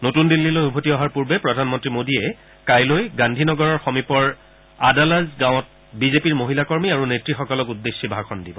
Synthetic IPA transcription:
notundilːilojubʱotiɔɦaɹpuɹbɛpɹɔdʱanmɔntɹimodiɛ | kajlojɡandʱinɔɡɔɹɔɹxomipɔɹ | adalazɡãw̃ɔt̚ | bizepiɹmoɦilakɔɹmiaɹunetɹixɔkɔlɔkudːesːibʱakʰɔndibɔ

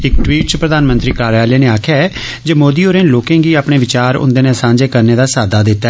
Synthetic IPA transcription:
ɪkʈwiːʈ̚t͡ʃpɾəd̪aːnmə̃nt̪ɾiːkaːɾjaːleːneːaːkʰjaːɛː | d͡ʒeːmoːd̪iːoːɾeːnloːkẽːɡiːaːpɽeːʋɪt͡ʃaːɾʊ̰̃nd̪eːnẽːsãːɲd͡ʒeːkəɾneːd̪aːsaːd̪aːd̪ɪt̪ːaɛ

